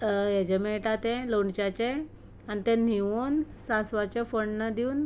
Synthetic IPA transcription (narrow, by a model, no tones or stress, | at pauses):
jed͡ʑemeʈat̪ẽloɳɖt͡ɕat͡ɕẽ | anit̪ẽn̤iʋon | sãsʋat͡ɕefoɳnad̪iuːn